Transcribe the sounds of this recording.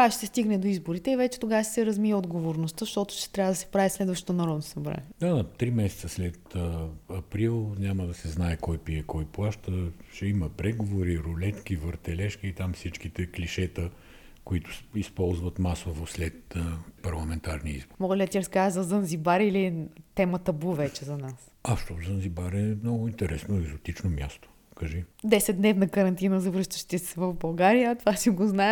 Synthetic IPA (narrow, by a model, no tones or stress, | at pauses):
aʃt̪ɛst̪iɡnɛd̪oizboɾit̪ɛivɛt͡ʃɛ̥t̪oɡavəʃsɛɾɐzmijəod̪ɡovoɾnost̪əzʃt̪ɔt̪ʊ̥ʃt̪ɛ̥t̪ɾʲavəd̪ɐsɛ̥pɾavislɛd̪vɐʃt̪ot̪onɐɾɔd̪nosɐbɾa̰ɲʲɛd̪ad̪ɐt̪ɾimɛsɛ̥t̪səslɛt̪əɐpɾilˠnʲaməd̪ɐsɛznaɛkɔjpiɛkɔjplˠaʃt̪əʃɛiməpɾɛɡovoɾiɾʊlɛt̪k̟ivəɾt̪ɛlɛʃkəit̪amfsit͡ʃkit̪ɛkliʃɛt̪ə | koit̪ʊ̥ispɔlˠzvɐt̪masovoslɛt̪əpɐɾlˠɐmɛnt̪aɾniḭzboɾmɔɡlʲid̪ɐt̪ʲiɾɐskazɐzənzibaɾiliɛt̪ɛmət̪əbuvɛt͡ʃɛzɐnas | aʃt̪ɔzənzibaɾɛmnɔɡʊint̪ɛɾɛsnoɛɡzʊt̪it͡ʃnomʲjast̪o̥ | kəʒid̪ɛsɛd̪d̪nɛvnəkɐɾɐnt̪inəzɐvɾɤʃt̪əʃt̪isɛvɐvbɐlˠɡaɾijət̪ovasiɡoznaɛ